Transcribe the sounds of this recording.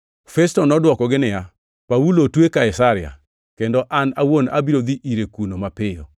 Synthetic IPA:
fɛstɔnɔdwɔkɔɡɪnɪja | paulotwekaɪsaɾɪa̰ | kendɔʔanawona̰biɾod̪iʔiɾekunomapɪjo̰

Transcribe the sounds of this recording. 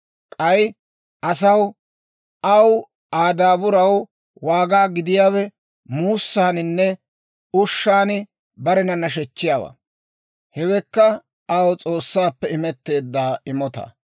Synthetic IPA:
kʼɐj | ʔɐsɐw | ʔɐw | aːd̪aːbʊɾɐw | waːɡaːɡɪd̪ɪjaːwɛ | muːsːaːnɪnːɛ | ʊʃːaːnɪ | bɐɾɛnɐnɐʃ̬ɛt͡ʃːɪjaːwa̰ | hɛwɛkːɐ | ɐwt͡sʼo̞ːsːaːpːɛɪmɛt̪ːe̞ːd̪ːaːɪmɔt̪ɐ̰

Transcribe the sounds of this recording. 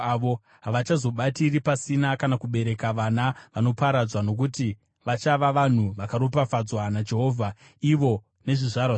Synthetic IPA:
ʋo | ɦaʋat͡ʃazo̞ɓatiripasinakanakuɓe̞ɾe̞kaʋanaʋano̞paɾad͡zwano̞k̬uti | ʋat͡ʃaʋaʋan̤uʋakaɾo̞pafad͡zwanad͡ʒe̞ɦo̞ːvʱa | iʋo̞ | ne̞ʐiʐara

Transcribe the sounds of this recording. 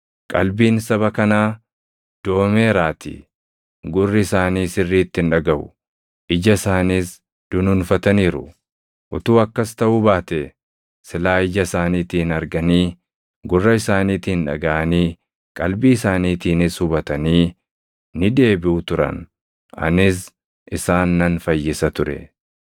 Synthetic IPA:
kʼɐ̰lbiːnsɐβɐkɐnaː | d̪̥o̞ːmeːɾaːt̪ḭː | ɡʊrːɪɪsaːniːsɪrːiːt̪ːɪnᶑɐɡɐʔʊ̰ | ʔɪd͡ʒɐɪsaːniːs | d̪̥ʊnʊnfɐt̪ɐniːɾʊ | ʔʊt̪uːɐkːɐst̪ɐʔubaːt̪ɛ | sɪlaːɪd͡ʒɐɪsaːniːt̪iːnɐɾɡɐniː | ɡʊrːɐɪsaːniːt̪inᶑɐ̰ɡɐʔɐniː | kʼɐlbiːɪsaːniːt̪iːnɪshʊbɐt̪ɐniː | nɪd̪e̞ːbɪʊt̪ʊɾɐ̰n | ɐ̰nɪs̬ | ʔɪsaːnːɐnfɐjːɪsɐt̪ʊɾɛ̰

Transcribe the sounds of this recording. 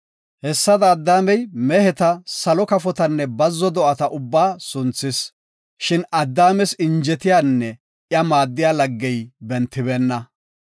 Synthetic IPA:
hɛsːɐd̪ɐːd̪ːaːmɛjmɛhɛt̪ɐsɐlɔkɐfɔt̪ɐnːɛbɐzːɔd̪ɔʔɐt̪ɐʔʊbːaːsʊnt͡sːɪs | ʃɪnɐd̪ːaːmɛsɪnd͡ʒɛt̪ɪjaːnːɛ | ʔjɐmaːd̪ːɪjaːlɐɡːɛjbɛnt̪ːɪbɛːnːɐ

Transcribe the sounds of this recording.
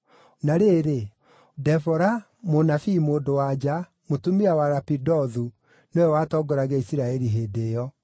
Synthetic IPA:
naɾeːɾe | dɛfɔɾa | monafimoːdowad͡ʒa | motumiawaɾapidɔðu | nɔɛwatɔɡɔɾaɣɛisiɾaɛɾiɦeːdejɔ

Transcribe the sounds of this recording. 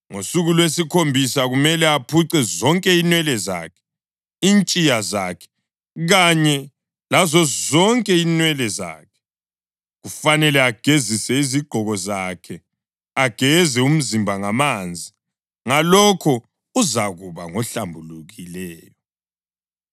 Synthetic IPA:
ŋosuɣulwesikʰombʱisaɣumɛlɛapʰuǀɛzɔŋkʼɛinwɛlɛza̰kʰɛ̥ | iːnt͡ʃʼijazakʰɛ̥ | ɣaɲɛ | lazɔzɔŋkʼɛinwɛlɛza̰ːkʰɛ̥ | ɣufanɛlɛaɡ̥ʱezisɛiziɡ͡ǃʱɔɣɔzakʰɛ | aɡ̥ʱɛzɛum̩zimbʱaŋamand͡zʱi | ŋalɔkʰɔ | uzaɣuβa̰ŋɔɬambʱuluɣilɛːjɔ

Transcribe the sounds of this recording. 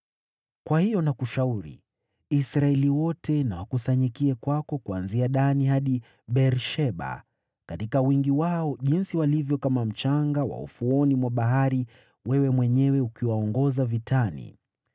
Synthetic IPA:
kwahijɔnakuʃauɾḭ | isɾaɛliwɔtɛnawakusaɲikiɛkwakɔkuanziaɗanihaɗi | ɓɛɾʃɛɓa̰ | katikawiŋɡiwaɔʄinsiwalivjɔkamam̩t͡ʃaŋɡawa̰ṵfuɔnimwaɓaɦaɾi | wɛwɛmwɛɲɛwɛukiwaɔŋɡɔzavitʰanḭ

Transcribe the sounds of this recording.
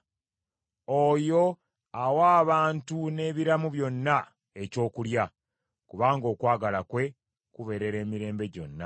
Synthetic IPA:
ojo̞ | awaːβaːntune̞ːβiɾamuβjo̞nːa | e̞co̞ːkulja | kuβaːŋɡo̞ːkwaːɡalakwe̞ | kuβe̞ɾe̞ɾe̞ːmiɾe̞ːmbe̞ɟo̞̰nːa

